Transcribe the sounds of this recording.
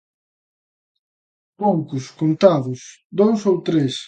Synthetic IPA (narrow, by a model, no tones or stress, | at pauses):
poŋkʊskont̪aðʊsd̪owsowt̪ɾes